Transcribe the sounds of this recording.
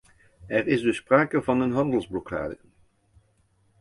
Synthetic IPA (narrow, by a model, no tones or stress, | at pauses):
ɛrɪzdɵspraːkəvɑnənɦɑndəlˠzblɔkʰa̰ːdə